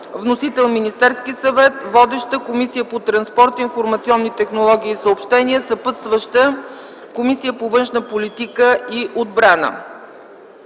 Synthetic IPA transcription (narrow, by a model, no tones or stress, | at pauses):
vnosit̪ɛlˠminist̪ɛɾskisɐvɛt̪vɔd̪ɛʃt̪əkomisijəpot̪ɾɐnspɔɾt̪infoɾmɐt̪siɔnːit̪ɛxnolˠɔɡ̟ʲiːsəopʃt̪ɛniəsɐpɤt̪st̪vəʃt̪ə | komisijəpovɤnʃnəpolit̪ikəiʔod̪̚bɾanə̰